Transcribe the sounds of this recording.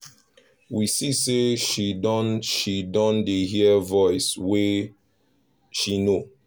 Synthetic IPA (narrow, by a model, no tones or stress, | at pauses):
wisiseʃidɔnʃidɔ̃ndeɦiəvɔɪswe | ʃino